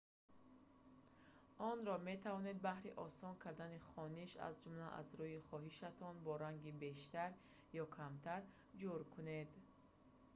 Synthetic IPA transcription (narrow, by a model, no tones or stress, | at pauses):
ɔnɾɔme̞t̪ʰavɔne̞d̪̚bahɾiʔɔsɔŋkʰaɾd̪aniχɔniʃa̰zd͡ʒumlaʔa̰zɾuiχɔɦiʃat̪ʰɔnbɔɾaŋɡibe̞ʃt̪aɾ | jɔkʰamt̪ʰaɾ | d͡ʒuɾkʰune̞d̪